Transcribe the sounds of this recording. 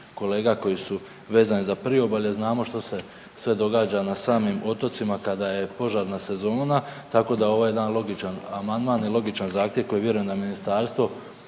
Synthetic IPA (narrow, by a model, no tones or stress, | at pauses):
ko̞le̞ːɡako̞jisu | ʋe̞ːzanizapɾ̩ioboʎe̞znaːmo̞ʃt̪o̞se̞ | sʋe̞d̪o̞ɡaːd͡ʒanasaːmimo̞t̪o̞t̪simakad̪aje̞po̞ʒaːɾnase̞zo̞ːnat̪ako̞d̪ao̞ʋojed̪anlˠo̞ɡit͡ʃanamand̪maːnjelˠo̞ɡit͡ʃanzaːxt̪je̞ʋko̞jeʋje̞ɾuje̞nd̪aminist̪aːɾst̪ʋo̞